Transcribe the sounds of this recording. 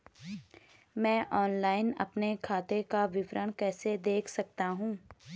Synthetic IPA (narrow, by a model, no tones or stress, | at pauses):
mɛ̃ːʔɔːnlaːɪnɐ̰pnekʰaːt̪ekaʋɪʋɾəɽ̃kɛːsed̪eːkʰsɐk̚t̪aɦũː